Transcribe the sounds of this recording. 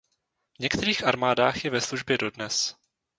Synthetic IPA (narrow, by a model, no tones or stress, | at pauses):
vɲɛkt̪ɛɾiːxʔaɾmaːdaːxjɛvɛsluʒbjɛdo̞dnɛs